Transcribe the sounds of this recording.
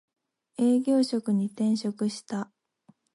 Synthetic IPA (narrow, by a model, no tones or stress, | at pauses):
e̞ːɡʲo̞ːɕo̞kɯ̟ɲ̟it̪ẽ̞ɰ̃ɕo̞kɯ̟ɕi̥t̪a